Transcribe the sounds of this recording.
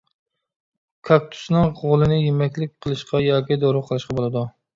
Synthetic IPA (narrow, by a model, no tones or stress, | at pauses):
kʰɑk̚t̪ʰu̥snɨŋʁolˠɨnɪjemɛkʲlɪk̚ʲqʰəlˠɨʃqɑjɑːkʲid̪oɾʊqʰəlˠɨʃqɑbolˠɨd̪u